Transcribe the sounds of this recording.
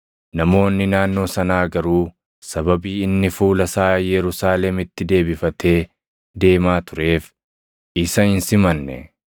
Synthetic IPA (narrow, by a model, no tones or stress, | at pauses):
nɐmo̞ːnːɪnaːnːo̞ːsɐnaːɡɐɾuː | sɐbɐbiːɪnːɪfuːlɐsaːjɛɾʊsaːlɛmɪt̪ːɪd̪e̞ːbɪfɐt̪ʰe̞ː | d̪e̞ːmaːt̪ʊɾe̞ːf | ɪsɐɪnsɪmɐnːɛ̰